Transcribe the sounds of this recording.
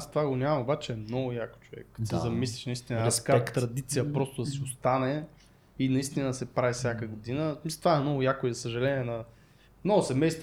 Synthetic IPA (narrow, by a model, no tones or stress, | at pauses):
st̪ovaɡonʲamɐ̃mobat͡ʃɛːmnɔɡʊjakt͡ʃʊvɛ̰k̪ːsɛzɐmislʲiʃnɐist̪inəɾɛskat̪ːɾɐd̪it̪sijəpɾost̪ʊd̪ɐsiʊst̪anɛ | inɐist̪inəsɛpɾavifsʲjakəɡʊd̪inəmisɛt̪vaɛmnɔɡʊjakʊizɐsəʒɐlɛnʲiɛnɐ | mnɔɡʊsɛmɛjst̪